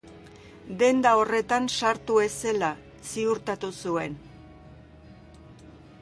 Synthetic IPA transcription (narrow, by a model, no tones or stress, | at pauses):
d̪e̞nd̪ao̞re̞t̪ansaɾt̪ue̞se̞la | siuɾt̪at̪usue̞n